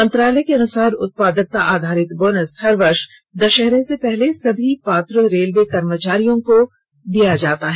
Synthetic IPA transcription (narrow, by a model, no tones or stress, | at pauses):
mɐ̃nt̪ɾaːləjkeɐnʊsaːɾʊt̪̚paːd̪ək̚t̪aʔaːd̪ʱaːɾɪt̪boːnəshɐɾʋɐɾʃ | d̪ɐʃɛɦɾẽsepɛɦlesɐbʱipaːt̪ɾəɾeːlʋekɐɾmət͡ʃaːɾijõko | ɖijad͡ʒaːt̪aɦɛ